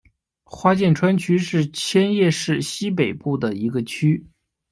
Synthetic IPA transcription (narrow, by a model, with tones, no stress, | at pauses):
xwa˥t͡ɕjɛ˥˩nʈ͡ʂʰwa˥nt͡ɕʰy˥ʂɻ̩˥˩t͡ɕʰjɛ˥njɛ˥˧ʂɻ̩˥˩ɕi˥p̬e˨˩ɪpu˥˩d̪ə˩i˧˥ɡə˧t͡ɕʰy˥